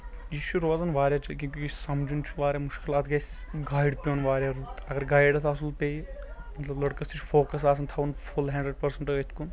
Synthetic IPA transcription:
jit͡ʃʰuɾoːzɐnʋaːɾʲjaːt͡ʃʰikʲĩkʲuisɐmd͡ʒunt͡ʃʰuʋaːɾjamuʃkʲilɐt̪ɡɐjsʲɡaːjɖpʲoːnʋaːɾjaɾut̪ɐɡɐɾɡaːjɖɐt̪ʰasulpʲejmɐt̪lɐblɐɽkɐst̪ʰit͡ʃʰfoːkɐsaːs̬ɐnt̪ʰɐʋunfulɦɛ̃ːɳɖɾeɖpɐɾsɐɳʈɐɡɐt̪ʰkun

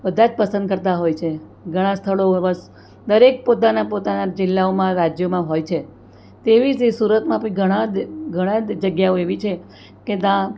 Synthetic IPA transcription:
bəd̪ʱãd͡ʒpəsə̃nd̪̚kəɾt̪aɦojt͡ʃʰe | ɡʱəɽ̃ãst̪ʰəɭoʋəs | d̪əɾek̚pot̪anapot̪anad͡ʒɪlːaomãɾad͡ʒjomãɦojt͡ʃʰe | t̪eʋid͡ʒsuɾət̪mãpəĩɡʱəɽ̃ãɡʱəɽ̃ãd͡ʒd͡ʒəɡjaoeʋit͡ʃʰe | ked̪ã

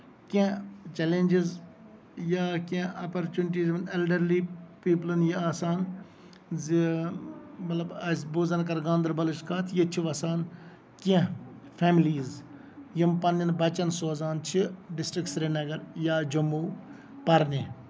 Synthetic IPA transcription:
kʲẽt͡ʃɛlenʲd͡ʒiz | jakẽɐpɐɾt͡ʃunɪʈ̬iːzʋɐnelɖɐɾliːpiːp̬lɐnjiaːsaːn | zi | mɐt̪lɐbɐsbuzɐnkɐɾɡãːnd̪ɐɾbɐliʃkaːt̪ʰjit͡ʃʰiʋɐsaːn | kẽpʰɛːmiliːz | jimpɐnːinbɐt͡ʃɐnsoːzaːnt͡ʃʰiɖɪsʈɾikʈsɾenɐɡɐɾjaːd͡ʒɐmːuː | pɐɾne

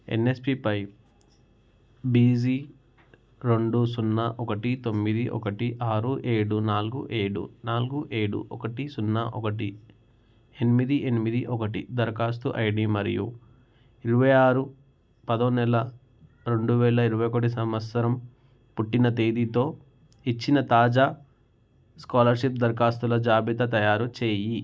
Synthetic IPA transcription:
ḛnːespipɐj | biːzi | ɾeɳɖusunːɐʔɔkɐʈit̪o̞mːid̪iʔɔ̰kɐʈiʔaːɾuʔeːɽunaːluɡṵʔeːɽṵnaːluɡuʔeːɽṵʔɔkɐʈisunːɐ̰ʔɔkɐʈi | enimid̪iʔenimid̪iʔɔkɐʈḭd̪ɐɾkaːst̪uʔɐjɖimɐɾḭjṵ | iɾuʋɐjaːɾu | pɐd̪onɛlɐ | ɾe̞ɳɖuʋɛːɭɐiɾuʋɐjokɐʈ̬isɐmʋɐsɐɾɐm | puʈːinɐt̪eːd̪it̪o̞ː | it͡ʃːinɐt̪aːd͡ʒaː | skaːlɐɾʃip̚d̪ɐɾkaːst̪ulɐd͡ʒaːbit̪ɐt̪ɐjaːɾut͡ʃe̞ːji

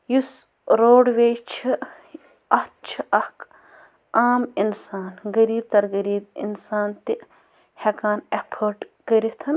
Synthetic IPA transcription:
jus | ɾoːɖʋeːt͡ʃʰi | ɐht͡ʃʰiʔɐhk | aːminsaːnɡɐɾiːb̚t̪ɐɾɡɐɾiːbḭnsaːnt̪i | hɐkaːnepʰəɾʈkɐɾit̪ʰɐn

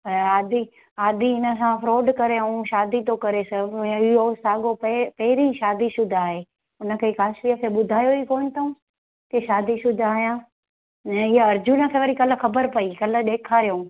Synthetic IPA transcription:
aːd̪i | aːd̪iɪnə̆sãfɾoːɖkɐɾeɐũʃaːd̪it̪okɐɾesɐ̃ɪɦosaːɡoppɛɦɪɾĩʃaːd̪isʊd̪ʱaaːɦeː | ʊnə̆kʰeːkaːʃɾiəkʰeːɓʊd̪ʱaːjoikoːñɪt̪ʰɐũ | keʃaːd̪isʊd̪ʱaːɦijãː | ɛ̃ɪɦəɐɾd͡ʑʊnə̆kʰeːʋɐɾikɐlə̆xɐbəɾpɐikɐlə̆ɗ̪eːkʰaːɾijõ

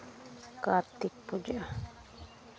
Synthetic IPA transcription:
kat̪ːik̚pud͡ʒa

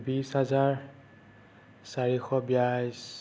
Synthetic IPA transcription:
bisɦazaɹ | saɹixɔbijajs

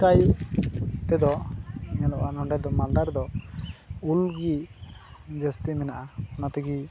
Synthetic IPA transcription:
kaj | t̪ɛd̪ɔɲɛnɔʔanɔɳɖɛd̪ɔmand̪aɾd̪ɔ | ulɡi | d͡ʒəst̪imɛnaʔaɔnat̪ɛɡi

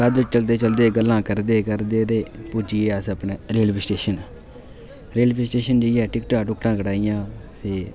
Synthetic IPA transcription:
kəd̪ʊt͡ʃəld̪eːt͡ʃəld̪eːɡəlːãːkəɾd̪eːkəɾd̪eːt̪eːpuːd͡ʒiːeːəsəpneːɾeːlpisʈeːʃən | ɾeːlpisʈeːʃənd͡ʒeiɛːʈɪkʈãːʈʊkʈãːkəɽaːijãːt̪eː

